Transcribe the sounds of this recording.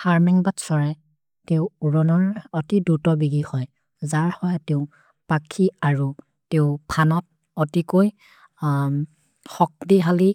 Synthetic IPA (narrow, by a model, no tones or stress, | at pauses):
haɹmɛŋbatsɔɹɛ | teʊuɹɔnɔɹɔtidutɔbiɡihɔj | zaɹhɔjteʊ | pakʰiaɹu | teʊpʰanɔp̚ | ɔtikoj | xɔk̚diɦali